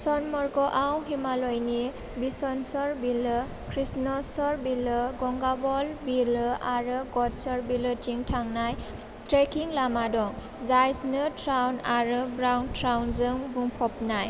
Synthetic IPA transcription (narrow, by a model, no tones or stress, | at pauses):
sɔnmɔɹɡɔʔawɦimalɔjni | bisɔnsɔɾbilɯ | kʰɾisnɔsɔɹbilɯɡɔŋɡabɔlbilaɾɯɡɔtsɔɹbilɯtʰiŋtʰaŋnaj | tɾekʰiŋlamadɔŋ | zajsnɯtʰɾawnaɾɯbɾawntɾawnzɯŋbuŋpʰɔp̚naj